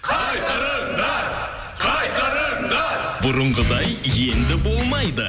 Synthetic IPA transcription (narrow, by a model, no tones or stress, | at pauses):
bʊɾʊɴʁəd̪ɑjje̞nd̪ɪbo̞lˠmɑjd̪ə